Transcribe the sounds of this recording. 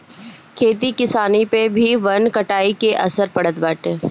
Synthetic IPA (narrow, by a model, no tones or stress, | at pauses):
kʰeːt̪ikɪsaːnipebʱiʋɐnkɐʈaːikeʔɐ̰səɾpɐɽ̤ət̪̚bəːʈẽː